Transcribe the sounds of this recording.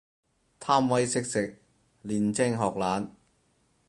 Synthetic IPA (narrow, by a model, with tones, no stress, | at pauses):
t̪ʰaː˥mwɐ˨˥jsɪ˥k̚sɪ˨k̚ | liː˨˩nt͡sɪ˥ŋɦɔː˨˩k̚laː˨˥n